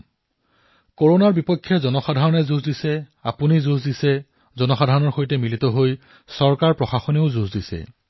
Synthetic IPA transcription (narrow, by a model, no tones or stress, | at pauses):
koɹonaɹbipɔkʰːjɔzɔnɔxadʱaɹɔnɛzuzdisɛa̰punizuzdisɛ | zɔnɔxadʱaɹɔnɔɹxojtɛmilitɔɦoj | sɔɹkaɹpɹɔxaxɔneʊzuzdisɛ̰